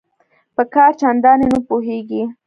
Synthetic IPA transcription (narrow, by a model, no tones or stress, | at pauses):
pəkɑːɾt͡ʃand̪ɑnenupuɦeɡi